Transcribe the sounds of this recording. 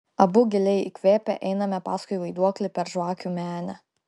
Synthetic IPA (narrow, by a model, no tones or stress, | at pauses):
ɐbʊɡʲɪlʲɛɪikʲʋʲeːpʲɛʔɛɪnɐmʲɛpɑːskʊɪʋɐɪd̪uɔklʲɪpʲɛɾʒʋɑːkʲuːmʲæːnʲɛ